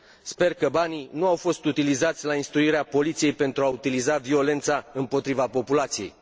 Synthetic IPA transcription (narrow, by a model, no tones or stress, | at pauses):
spe̞rkəbaninuawfo̞st̪ut̪ilizat̪sʲlainst̪ɾuiɾeapo̞lit̪sije̞jpe̞nt̪ɾuaut̪ilizavio̞le̞nt̪saɨmpo̞t̪ɾivapo̞pulat̪sije̞j